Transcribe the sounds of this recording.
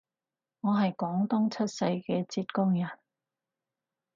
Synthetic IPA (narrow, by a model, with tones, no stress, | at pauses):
ŋɔː˨˧ɦɐ˨jkɔː˨˥ŋt̪ʊ˥ŋt͡sʰɐ˥t̚sɐ˧jkɛː˧t͡siː˧t̚kʊ˥ŋjɐ˨˩n